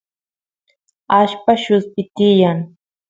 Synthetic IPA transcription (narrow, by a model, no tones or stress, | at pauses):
aʃpaʃʊspɪt̪ɪjaŋ